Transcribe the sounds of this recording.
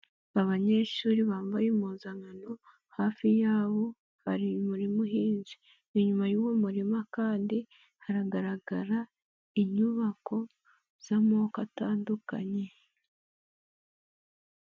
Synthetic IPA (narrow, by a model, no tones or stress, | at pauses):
aβaɲe̞ʃuːɾiβaːɱvajimuːnzaŋano̞ | haːfijaːβo̞ | haɾimuɾimuhiːnzi | iɲumajuːwomuɾimakaːndi | haɾaɡaɾaɡaɾa | iɲuβako̞ | z̥amoːkataːnduka̰ɲe̞